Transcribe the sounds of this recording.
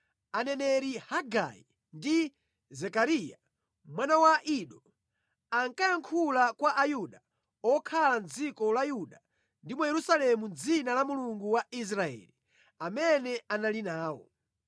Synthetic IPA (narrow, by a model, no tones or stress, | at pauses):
anɛnɛɾihaɡa̰ḭ | ndi | zɛkaɾija | mwanawaʔiɗɔ | aŋkajaŋkʰulakwaʔajuɗa | ɔkʰaland͡zikɔlajuɗa | ndimɔjɛɾusalɛmund͡zinalamuluŋɡuwais̬ɾaɛ̰ːli | amɛnɛanalinaːwɔ̰